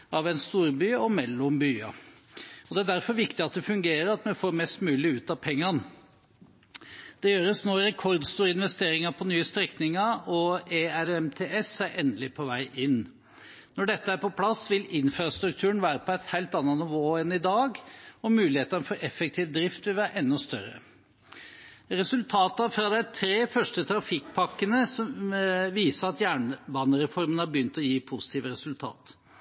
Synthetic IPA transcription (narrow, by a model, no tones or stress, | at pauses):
ɑʋɛɪnst̪uːɾbyːɔmɛlːʊmbyːɑ̰ | ɔd̪ɛæɖ̪æɾfɔɾʋɪkt̪ɪɑt̪̚d̪ɛfʉŋɡeːɾəɾɑt̪mɛnfoːɾmɛst̪mʉːlɪʉːt̪ɑːpʰɛŋːɑn | d̪̥ɛjøːɾəsnɔɾɛkʰɔɾd̪st̪uːɾəɪnʋɛst̪eːɾɪŋɑpʰɔnyːəst̪ɾɛknɪŋɑɾɔeæɾɛmt̪ʰeːʔɛsæɪʔɛnd̪əlɪpʰɔʋæɪʔɪnː | nɔɖɛt̪ːəæɾpɔpʰlɑsːʋɪlɪnfɾɑst̪ɾʉk̚t̪ʰʉːəɳ̩ʋæːɾəpʰɔɛɪt̪hæɪlt̪ɑnːɑnɪʋoːɛnɪd̪ɑːɡɔmʉːlɪheːt̪ɑnfɔɾɛfːɛk̚t̪ʰiːʋd̪ɾɪft̪ʋɪlʋæːɾʔɛnːɔst̪œɾə̰ | ɾɛsʉlt̪ʰɑːt̪ɑfɾɑd̪ɛæɪt̪ʰɾeːfœʂʈət̪ʰɾɑfɪkpʰɑkːənəsɔmʋiːsəɾɑt̪jæːɳʋɑːnəɾɛfɔɾmənhɑbəjʏnt̪ɔjiːpʰʊsɪ̥t̪ʰiːʋəɾɛsʉlt̪ʰɑ̰ːt̪